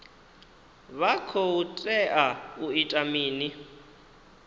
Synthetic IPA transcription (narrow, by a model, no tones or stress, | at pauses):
βakʰoutʼɛʔauitʼamiːni